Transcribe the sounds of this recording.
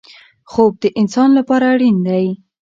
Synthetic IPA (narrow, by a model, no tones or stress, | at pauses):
xob̚d̪əʔɪnsɑnlapɑɾaːɽind̪aj